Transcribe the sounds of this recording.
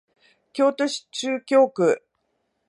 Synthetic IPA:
kʲo̞ːt̪oɕi̥t͡ɕɨːkʲo̞ːkɯ̟

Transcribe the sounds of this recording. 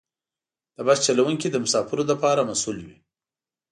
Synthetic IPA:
d̪̥əbast͡ʃalawuŋkid̪əmʊsɑfɪɾod̪əpɑɾamasulwi

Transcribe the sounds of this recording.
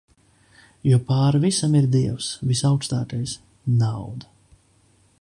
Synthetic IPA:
jupaːɾvisamiɾd̪iɛwsvisaʊwkst̪aːt̪ɛjs | nawd̪a

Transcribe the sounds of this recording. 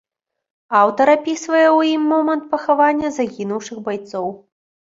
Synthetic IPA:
awt̪ɐɾapʲisvɐjɛwjimːɔmɐnt̪̚pɐxavanʲːɐzaɣʲinuwʂɨxbajt̪sɔw

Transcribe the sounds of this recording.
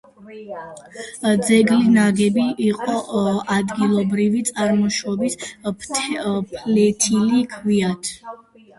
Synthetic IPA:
d̪zɛɡlinaɡɛbiʔːqʼɔad̪ɡilˠɔbɾivit̪sʼaɾmɔʃɔbispʰpʰlɛt̪ʰilikʰviat̪ʰ

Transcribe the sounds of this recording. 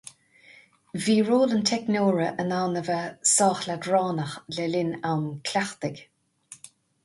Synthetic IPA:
viːɹoːlənt̪ʰɛknoːɹəʔənawnəvəsɑːxladɹɑːnəxlɛlɪnawnkʰlʲaxt̪ɪɡ

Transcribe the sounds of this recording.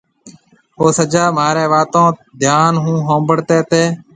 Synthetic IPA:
ɦoːsəd͡ʒaːmaːɾẽːʋaːt̪õːd̪ʱjaːnɦũːɦõːmbəɽt̪eːt̪eː

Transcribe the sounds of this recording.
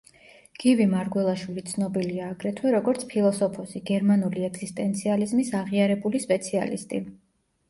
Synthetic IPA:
ɡ̥ivimaɾɡwɛlˠaʃwilit̪sʰnɔbiliaːɡɾɛt̪ʰwɛɾɔɡɔɾt̪sʰpʰilˠɔsɔpʰɔsiɡ̥ɛɾmanuliɛɡz̥ist̪ʼɛnt̪sʰializmisaʁiaɾɛbulispʼɛt̪sʰia̰lḭst̪ʼi

